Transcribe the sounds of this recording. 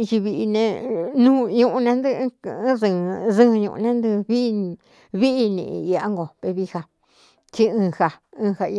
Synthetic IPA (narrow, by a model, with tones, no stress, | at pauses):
i˧t͡ʃi˧βi˧i˧nẽ˧nũː˦ɲũ˧ʔũ˧nẽ˧˦nd̪ɨ̃˦˧˦ðɨ̃˧ðɨ̃˦˧ɲṵ̃˧˨ʔṵ˧nẽ˦nd̪ɨ˧βi˦˧ | βi˦ʔi˧nḭ̃˧˨ḭ̃˧i˧a˦ŋɡo˨pe˧βi˧ha˧ | t͡ʃi˦ɨ̃ː˧ha˧ɨ̃ː˧ha˧i˧